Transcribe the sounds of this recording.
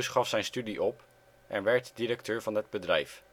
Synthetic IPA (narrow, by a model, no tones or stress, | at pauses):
sχɑfsɛjnstydiʔɔp | ʔɛnʋɛɹtdiɾək̚tøːɹvɑnəd̚bədrɛjf